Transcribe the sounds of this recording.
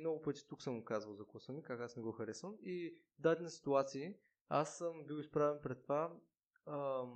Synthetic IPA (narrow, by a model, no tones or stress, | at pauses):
nɔɡʊpɤt̪i̥t̪uksɤmʊkazvəlˠzɐkɔsənikakasnɛɡɔxɐɾɛsvəmi | d̪ad̪ɛnəsi̥t̪uat̪siː | a̰səmbiwˠispɾavɛnpɾɛt̪ːva